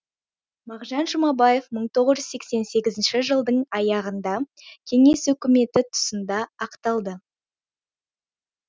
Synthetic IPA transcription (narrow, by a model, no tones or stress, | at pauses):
mɑʁʒɑnʒəmɑbɑje̞fməɴt̪ʰo̞ʁəzʒʏzse̞kse̞nse̞ɡʲɪzɪnʃɪʒəlˠd̪əɴɑjɑʁənd̪ɑ | kʲʰe̞ŋe̞swɵkʲɪme̞t̪ɪt̪ʰʊ̥sənd̪ɑːqt̪ɑlˠd̪ə